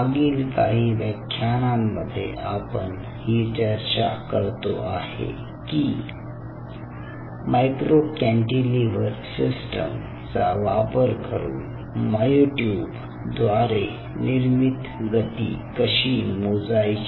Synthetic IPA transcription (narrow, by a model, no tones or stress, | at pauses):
aɡiːlka̰ɦiːʋəkʰːjanamːəd̪ʱːjḛʔapən | hit͡ɕəɾt͡ɕakəɾt̪oahḛ | ki | majkɾokɛ̃ɳʈiliʋəɾsisʈə̰m | t͡saʋapəɾkəɾṵːn | məjoʈjub | d̪ʋaɾe | niɾmit̪ | ɡət̪ḭkəɕimod͡zajt͡ɕ